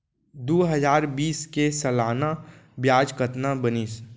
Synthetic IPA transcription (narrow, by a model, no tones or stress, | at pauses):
d̪oːɦəzaːɾbiːskesəlaːnabjaːd͡ʒkət̪nabənis